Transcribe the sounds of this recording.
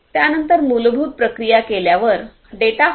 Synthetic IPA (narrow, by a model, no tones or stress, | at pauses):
t̪janənt̪əɾmulbʱuːt̪̚pɾəkɾijakeljaʋəɾ | ɖeʈ̪a